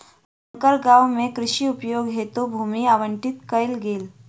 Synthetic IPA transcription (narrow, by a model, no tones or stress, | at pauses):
səŋkəɾɡaʋmẽkɾɪʃiupjoɡɦet̪ubʱuːmiaʋəɳʈit̪kəjlɡeːl